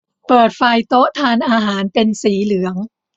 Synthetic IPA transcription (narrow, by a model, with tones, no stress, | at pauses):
pɤː˨˩t̪̚fa˧jt̪o˦˥ʔt̪ʰaː˧nʔaː˧ɦaː˩˦npe˧nsiː˩˦lɯ˩˦əŋ